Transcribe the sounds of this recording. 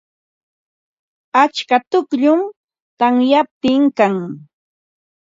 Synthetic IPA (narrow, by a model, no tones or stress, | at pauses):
at͡ʃkat̪ʊkʎʊm | t̪aŋjap̚t̪ɪŋkaŋ